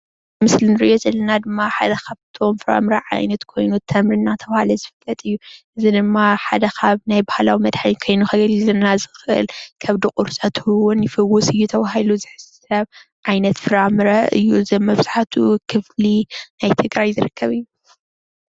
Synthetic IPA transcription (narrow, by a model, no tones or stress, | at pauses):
mɨslinɨɾɨ̰ʔjʔo̞zɐlːɐnad̪ɨmːaħad̪ɐkʰaβt̪ʰo̞mfɨɾa̰mɾɐʕa̰jnɐt̪kʰo̞jnut̪ʰɐmɾɨnːat̪ʰɐβahalɐzɨfɨlːɐt̪ʼɨjːuʔɨzid̪ɨmːaħad̪ɐkʰaβnajbahalawimɐd̪ħaɲkʰo̞jnuxɐɡɐlizɐnːazɨxʔɨ̰lkʰɐβd̪ɨkʼuɾsʼɐt̪ʰɨwʊnjɪfɨwːʊsʼɨjːut̪ʰɐβahiluzɨħɨssɐβʕajnɐt̪fɨɾamɾɐʔɨjːuzɐmːɐβɨz̥aħt̪ʰukʰɨflinajt̪ʰɨɡɾajzɨɾɨkʰːɐβɨjːu